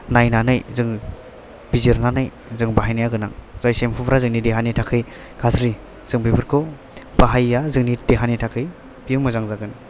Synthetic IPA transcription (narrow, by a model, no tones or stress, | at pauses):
najnanɯjzɯŋ | biziɾnanɯj | zɯŋbaɦajnajaɡɯnaŋz̥ajsempʰubɾazɯŋnideɦanitʰakʰɯj | kʰazɾi | z̥ɯŋbibɯɾkʰɔ | baɦajːazɯŋnideɦanitʰakʰɯj | b̥ijɯmɯzaŋzaɡɯn